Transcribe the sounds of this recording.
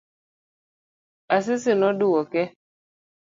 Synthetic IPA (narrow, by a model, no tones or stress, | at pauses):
asɪsɪnɔdʊwɔkɛ